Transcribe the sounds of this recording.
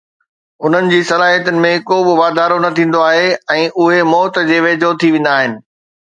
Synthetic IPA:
ʊn̤ənɪ̆d͡ʑiːsɐlaːɦijət̪ʊnɪ̆mẽkoːbɪʋaːd̪ʱaːɾonɐt̪ʰĩːn̆d̪oaːɦeɛ̃ːʔʊɦemɔːt̪d͡ʑeːʋeːd͡ʑʱot̪ʰiʋẽːn̆d̪aːɦɪnɪ̆

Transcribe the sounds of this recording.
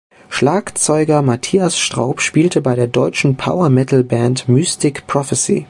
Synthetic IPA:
ʃlaːkt͡sɔʏɡɐmatʰiːasʃtʁ̥a̰ʊpʃpiːltʰəbaɪɾeːɐdɔʏt͡ʃn̩pʰa̰ʊɐmɛtl̩bɛntmyːstʰɪkpʁ̥ɔfəsḭː

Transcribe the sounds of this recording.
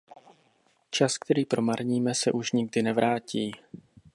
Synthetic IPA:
t͡ʃask̚t̪ʰɛɾiːpɾo̞maɾɲiːmɛsɛ̰ʔuʃɲɪɡ̚dɪnɛvɾʔaːciː

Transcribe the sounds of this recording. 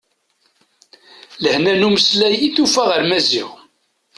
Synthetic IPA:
ləhnænuməslæjiθufæʁəɾmæzḭʁ

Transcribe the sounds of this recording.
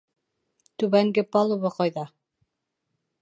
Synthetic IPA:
t̪ʉβæŋɡɘpɑlˠuβɤqɑjðɑ

